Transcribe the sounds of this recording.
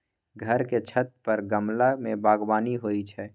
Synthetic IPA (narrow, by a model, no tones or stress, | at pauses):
ɡʱəɾket͡ʃʰət̪̚pəɾɡəmlamẽbaːɡbaːniɦoːit͡ʃʰɛː